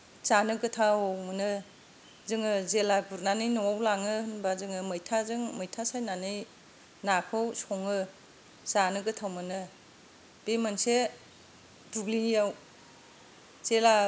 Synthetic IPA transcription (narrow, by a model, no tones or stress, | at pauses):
zanɯɡɯtʰawmɯnɯ | zɯŋɯzelabuɾnanɯjnɔwawlaŋɯhɯnbazɯŋɯmɯjtʰazɯŋmɯjtʰasajnanɯj | nakʰɯwsɔŋɯ | zanɯɡɯtʰawmɯnɯ | b̥emanse | duɡlinjaw | z̥ela